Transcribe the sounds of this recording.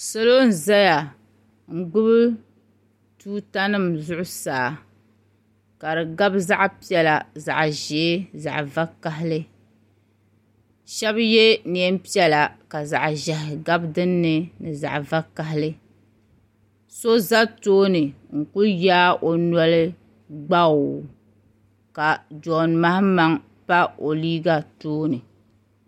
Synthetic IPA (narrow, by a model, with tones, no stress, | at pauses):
so˦lo˦n̩˨za˦ja˨ | ŋ̩˨ɡ͡bʊ˦bɨ˦ | tuː˦ta˦nɨ˦˨mzʊ˦ʔʊ˦saː˨ | ka˨dɨ˨ɡa˦bza˦ʔpi˦ɛ˨la˨za̰˨ʔʒe˨˦za̰˨ʔva˦ka˦ɦɪ˦lɨ˦ | ʃɛ˦bjɛ˦ni˨ɛ˦mpi˦ɛ˨la˨ka˨za̰˨ʔʒɛ˨ɦɪ˨ɡa˦bdɨ˦nːɨ˦nɨ˨za̰˨ʔva˦ka˦ɦɪ˦lɨ˦ | so˦za˦toː˦nɨ˨ŋ̩˨ku˦jaː˦ʔo˨nɔ˦lɨ˦ | ɡ͡ba˦˨ | ka˨d͡ʒɔ˨nma˦hma˦ŋ | pa˦o˨liː˦ɡa˨toː˦nɨ˨